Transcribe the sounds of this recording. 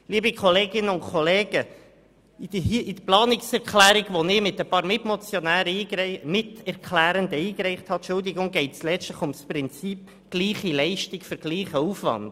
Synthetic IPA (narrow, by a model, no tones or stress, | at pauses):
liːbikʰɔleːɡɪnːəʊnkχoleːɡ̥ə | id̥əʔid̥əplɑːnɪksɛɾkχlæːɾiɡʋonɪmɪt̪əpɑːɾmɪtmot͡sjonæːɾəiːmɪtɛɾkʰlæːɾəndəiːkrɛɪχthɑtʃʊld̪ɪɡʊŋɡɛɪtslɛt͡sstləχʊmsprɪnt͡siːp | ɡ̥liːχilɛɪʃtikføɾɡ̥liːχəufʋɑ̰nd̥